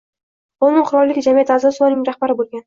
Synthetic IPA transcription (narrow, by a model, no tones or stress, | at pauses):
ʊnɪŋqʰʊɾɒlˠːɪɡʲɪd͡ʒamijat̪ʰɪazɒsʊɒnɪŋɾahbaɾɪbolˠɡʲan